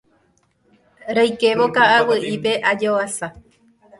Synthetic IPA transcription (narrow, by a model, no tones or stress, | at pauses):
ɾajke̞ʋokaʔawɨʔipe̞ʔad͡ʒoasa